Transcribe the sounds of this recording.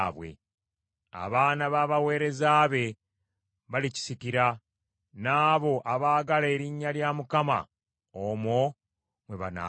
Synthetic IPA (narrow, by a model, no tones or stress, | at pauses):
βwe̞̰ | a̰βaːnaβaːβawe̞ːɾe̞zaːβe̞ | βalici̥sikiɾa | naːβo̞ʔaβaːɡale̞ɾiɲːaljaːmukama̰ | omo | mwe̞βana̰